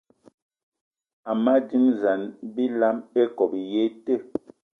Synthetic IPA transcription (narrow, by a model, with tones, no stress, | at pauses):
a˨ma˦di˦mza˨nbi˦la˦me˦kɔ˨bje˦te˦˨